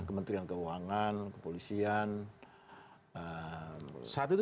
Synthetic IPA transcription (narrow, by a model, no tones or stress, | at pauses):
kəmənt̪ɾiankəuaŋankəpolisian | ə | sat̪ut̪